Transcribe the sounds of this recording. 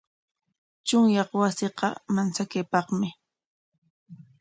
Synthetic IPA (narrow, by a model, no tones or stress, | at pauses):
t͡ʃʊŋjɑχwasɪqɑmansakejpɑχmɪ